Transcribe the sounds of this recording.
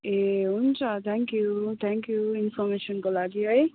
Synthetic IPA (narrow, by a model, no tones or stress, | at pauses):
eɦunt͡sʰat̪ʰɛŋkjut̪ʰɛŋkjuinfɔmeʃʌnkolaɡiɦʌj